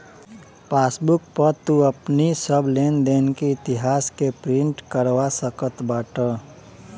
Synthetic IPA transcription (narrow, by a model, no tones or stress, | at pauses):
paːsbʊk̚pəɾt̪uəpnisəbʱlend̪eːnkiɪt̪ɪɦaːskepɾɪ̃ɳʈkəɾwasəkət̪baːʈə